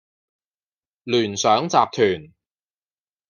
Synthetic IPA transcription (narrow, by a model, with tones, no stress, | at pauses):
lyː˨˩nsœː˨˥ŋt͡saː˨p̚t̪ʰyː˨˩n